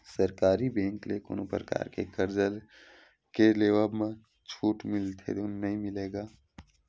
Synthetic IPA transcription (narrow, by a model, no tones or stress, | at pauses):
səɾkaːɾibẽːŋkleko̰ːnopɾəka̰ːɾkḛkəɾd͡ʒəl | keleːʋabmẽ | t͡ʃʰuːʈmɪlt̪ʰḛd̪unːəɦĩmɪleːɡaː